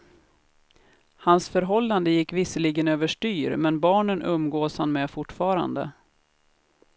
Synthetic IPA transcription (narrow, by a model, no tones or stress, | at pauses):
hansfœɾɦɔlːand̪əjɪkːvɪsəliɡənøːvəʂʈyːɾmɛnbɑːɳənʔɵmːɡoːshanmɛfʊʈfɑːɾa̰nd̪ə̰